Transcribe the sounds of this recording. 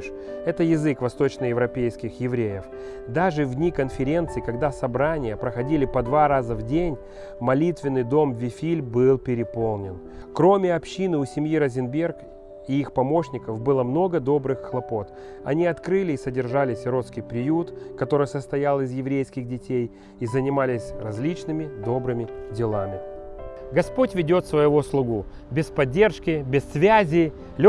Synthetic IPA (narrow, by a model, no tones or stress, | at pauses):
ʂ | ɛt̪əjɪzɨkvɐst̪o̞t͡ɕnəjɪvɾɐpʲejskʲɪxjɪvɾʲejɪf | d̪aʐɨvdʲnʲikənfʲɪɾʲe̞nt̪sɨɪkɐɡd̪asɐbɾanʲɪjəpɾəxɐdʲilʲɪpɐd̪vaɾazəvdʲenʲ | mɐlʲit̪vʲɪnːɨjd̪o̞mvʲɪfʲilʲbɨlˠpʲɪɾʲɪpo̞lˠnʲɪn | kɾo̞mʲɪɐpɕːinɨʊsʲɪmʲjiɾəzʲɪnbʲe̞rk | ɪixpɐmo̞ɕnʲɪkəfbɨlˠəmno̞ɡəd̪o̞bɾɨxxlˠɐpo̞t̪ | ɐ̰nʲiɐt̪kɾɨlʲɪːsədʲɪrʐalʲɪsʲɾo̞t̪skʲɪjpɾʲɪjut̪kɐt̪o̞ɾɨjsəst̪ɐjalˠɪzjɪvɾʲejskʲɪɣdʲɪtʲej | izənʲɪmalʲɪsʲrɐzʲlʲit͡ɕnɨmʲɪd̪o̞bɾɨmʲɪdʲɪlˠamʲɪ | ɡɐspo̞tʲvʲɪdʲo̞t̪svəjɪvoslˠʊɡu | bʲɪspɐdʲːe̞rʂkʲɪbʲɪsːvʲæzʲɪ | lʲ